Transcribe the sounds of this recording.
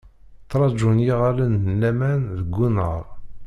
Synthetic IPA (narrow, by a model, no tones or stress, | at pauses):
t̪ːɾˤɑd͡ʒunjiʁalənəlːæmænðəɡʷːunəʁɾˤ